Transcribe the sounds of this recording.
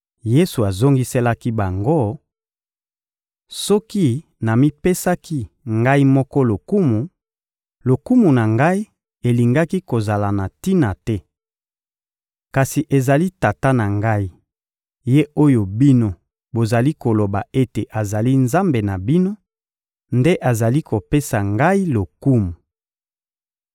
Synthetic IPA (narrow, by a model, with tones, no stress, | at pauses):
je˦su˨a˨zo˦ŋɡi˦sɛ˦la˦ki˦ba˨ŋɡo˦ | sɔ˦ki˦ | na˨mi˦pe˦sa˦kʰi˦ | ŋɡa˦i˦mɔ˦kɔ˦lo˨ku˦mu˨ | lo˨ku˦mu˨na˨ŋɡa˦i˦ | e˨li˨ŋɡa˦ki˦ko˨za˨la˨na˨ti˦na˨tɛ˦ | ka˨si˨ʔe˨za˨li˦ta˨ta˦na˨ŋɡa˦i˦ | je˦o˦jo˨bi˦no˦ | bo˨za˨li˦ko˨lo˨ba˨ʔe˦te˨ʔa˨za˨li˦nza˦mbe˨na˨bi˦no˦ | nde˦ʔa˨za˨li˦ko˨pe˦sa˨ŋɡa˦i˦lo˨ku˦mu˨